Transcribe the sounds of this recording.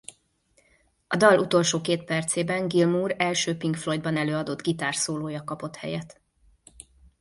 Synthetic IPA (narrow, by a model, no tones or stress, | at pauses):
ɒd̪ɒlʔut̪o̞lʃoːkeːt̪̚pɛrt̪seːbɛŋɡilmuːɾɛlʃøːpiŋkflo̞jd̪bɒnɛløːɒd̪o̞d̪ɡit̪aːrsoːloːjɒkɒpo̞t̪hɛ̰jɛt̪